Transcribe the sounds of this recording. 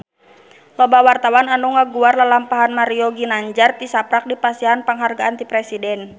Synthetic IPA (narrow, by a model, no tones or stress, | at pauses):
lɔbawart̪awananuŋaɡuarlalampaɦanmaɾiɔɡinaɲd͡ʒart̪isapɾak̚dipasianpəŋɦarɡaant̪ipɾɛsidɛn